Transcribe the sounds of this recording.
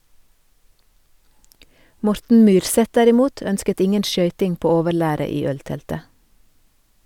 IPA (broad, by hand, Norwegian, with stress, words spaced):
ˈmɔɾtn̩ ˈmyːɾˌsɛt ˈdæɾɪˌmuːt ˈœnskət ˈɪŋən ˈʃœʏtɪŋ ˈpoː ˈoːʋəˌɭæːɾə ˈiː ˈœlˌtɛltə